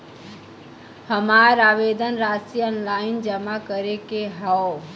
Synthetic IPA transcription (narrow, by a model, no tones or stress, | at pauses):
həmaɾaʋed̪ənɾasiənlaɪnd͡ʒəmakəɾekeɦao